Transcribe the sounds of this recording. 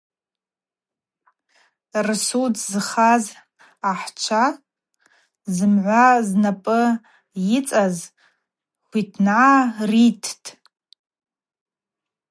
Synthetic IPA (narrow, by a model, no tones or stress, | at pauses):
rsudzɨχaz | aħt͡ʃʷʰa | zɨmʕʷaznapʼɨ | jɪt͡sʼaz | χʷitʰnʕaritʰtʼ